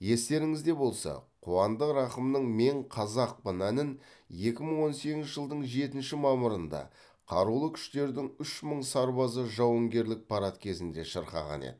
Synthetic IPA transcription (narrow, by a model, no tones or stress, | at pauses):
je̞st̪e̞ɾɪŋɪzd̪e̞bo̞lˠsɑ̰qʰuwɑnd̪əqɾɑqəmnəɴme̞ɴqʰɑzɑq̚pənænɪn | je̞kʲɪməɴwo̞nse̞ɡʲɪnɪʒəlˠd̪əɴʒe̞t̪ɪnʃɪmɑmʊɾənd̪ɑ̰ | qʰɑɾulˠəkʲʰʏ̥ʃt̪e̞ɾd̪ɪŋʏʃməɴsɑɾbɑzəʒɑwəŋɡʲe̞ɾlɪk̚pʰɑɾɑt̪kʲʰe̞zɪnd̪e̞ʃəɾqɑ̰ʁɑ̰nḛd̪̥ɪ